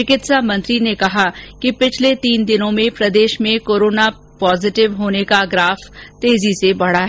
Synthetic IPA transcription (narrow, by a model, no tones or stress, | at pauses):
t͡ʃɪkɪt̪samɐ̃nt̪ɾinekɐɦakipɪt͡ʃʰlet̪iːnd̪ɪnõmẽpɾɐd̪eːʃmẽkoːɾoːna | pɔːzɪʈɪʋɦoːnekaɡɾaːfʰt̪eːzisebɐɽaɦɛː